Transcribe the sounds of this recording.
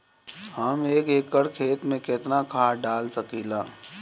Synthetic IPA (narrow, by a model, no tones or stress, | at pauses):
həmeːkeːkːəɽkʰeːt̪mẽkɪt̪nakʰaːɖaːlsəkilaː